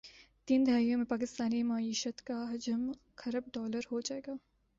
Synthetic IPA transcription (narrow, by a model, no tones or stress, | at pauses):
t̪iːnd̪ʱaːijõmẽpaːkɪst̪aːnimaːiːʃət̪kaɦɐd͡ʒəm | kʰɐɾəb̚ɖɔːləɾɦod͡ʒaːeːɡaː